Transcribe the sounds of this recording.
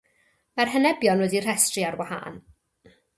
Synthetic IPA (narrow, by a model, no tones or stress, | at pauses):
marɦənɛbjɔnwɛdir̥ɛstriarwaha̰ːn